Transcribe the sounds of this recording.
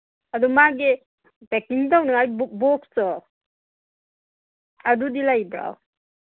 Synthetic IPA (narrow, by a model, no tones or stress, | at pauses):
adɔmaɡe | pekiŋtawnaajbbɔk̚sɔ | adudilajbɾa̰w